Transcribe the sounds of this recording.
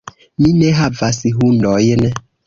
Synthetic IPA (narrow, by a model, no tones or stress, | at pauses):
minɛɦavasiɦundɔjnɛ